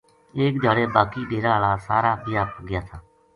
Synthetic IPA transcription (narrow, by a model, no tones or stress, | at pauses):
eːkd͡ʒ̪ʱaːɽeːbaːkiːɗeːɾaːɦlaːsaːɾaːbɪjaːpɡɪjaːt̪ʰaː